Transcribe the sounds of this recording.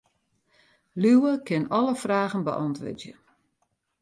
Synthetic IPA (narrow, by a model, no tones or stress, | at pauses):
lywəkʰɪnɔləfraːɣənbə̰ʔɔntʋə̰djə